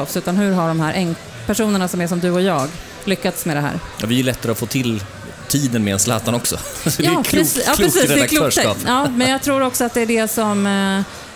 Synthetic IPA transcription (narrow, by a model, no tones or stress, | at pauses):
ɔfsʉ̟ːt̪anhɵ̟ɾɦaɖɔmhæːɾʔɛŋ | pʰæʂuːnəɳasɔmæʂɔmd̪ɵɔjɑːɡ | lʏkːat̪smed̪ɛɦæ̰ːɾa̰vɪɛɭɛt̪ːaɾəɔfoːt̪ʰɪl | t̪ʰiːd̪ənmɛɛnslɑ̰ːt̪anɔksɔ̰ː | ɾɛsɑːɾsiːɾɛɛakʰlœːʂɑ̰pjɑːmɛnjɑɡ̚t̪ʰɾuːɾɔksɔat̪̚d̪ɛæɖɛsɔm